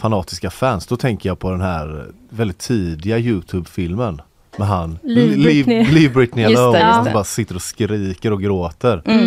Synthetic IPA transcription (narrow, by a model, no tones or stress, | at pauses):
fanɑːt̪ɪskafænsd̪ɔt̪ʰɛŋkəjapʰɔd̪ɛnɦæːɾ | vɛld̪ɪt̪ʰːiːd̪ɪɡajʉ̟ːt̪ʰʉːbfɪlmən | mɛɦanllɪvbɾɪt̪nɪɛobɑːɾasɪt̪ːəɾɔskɾiːkəɾɔɡɾoːt̪əɾ